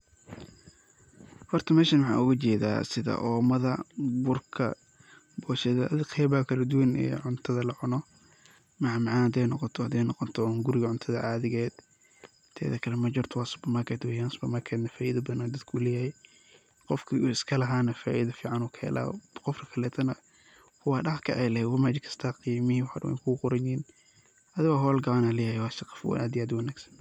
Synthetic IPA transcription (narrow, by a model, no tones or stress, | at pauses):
hɔrt̪ʰɐmɛːʃɐnwɑħa̰ːʊɣɐt͡ʃɛːða̰ːsɪðɐ̰ʔɔːmɐðɐbʊrkʰɐ̰ | bɔːʃɛðɐɐðqʰɛjβaːkʰɐlɐd̪ʊwɐnɛ̰ːʕʊnt̪ʰɐðɐlɐʕʊnɔ | mɑʕmɑʕɑːnhɐd̪ɛjnɔqɔt̪ʰɔhɐd̪ɛjnɔqɔt̪ʰɔŋɡʊɾɪɣɐʕʊnt̪ʰɐðɐʕaːðɪɣɛːd̪̥ | t̪ʰɛ̰ːðɐkʰɐlɛmɐd͡ʒɐrt̪ʰwasbɐmɐkʰɛd̪wɛjansbɐmɐkʰɛːd̪nɐfaːʔiðɐbðɐnad̪ɐd̪kʰʊlɛjahɛ | qɔfkʰiuɪskʰɐlɐɦaːnɐfaːʔiðɐfiːʕɑnuːkʰɐɛ̰lʔa̰ːqɔfrɐkʰɐlɛːt̪ʰɐnɐ | kʰʊwaɖɐhkʰɐ̰ʔɛjlɛhwɐmad͡ʒɪkʰɐ̥st̪ʰaːqijamɪhiwħa̰dɐ̰wɛ̰kʰʊɡʊqʊɾɐɲːn | ʔɐðɪɣɔɦɔːlɡɐʕanalɛjahɛwaːʃɐqɑ̥fwa̰ʔaːd̪ɪaːd̪wɐnaːɡsɐ̥n